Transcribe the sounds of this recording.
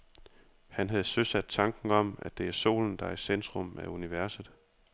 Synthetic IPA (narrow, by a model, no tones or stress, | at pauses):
hænɦæð̞̩ˠsøsæd̥̚t͡sʰɑ̈ŋɡ̥ŋ̩ɒ̽m̰æd̥e̝æɐso̝̰ːln̩d̥ɑ̈isend̥ʁɔ̽mæuniʋæɐsð̩ˠ